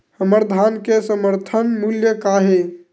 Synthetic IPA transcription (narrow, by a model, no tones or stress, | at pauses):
həməɾd̪ʱankesəməɾt̪ʰənmuljəkaɦe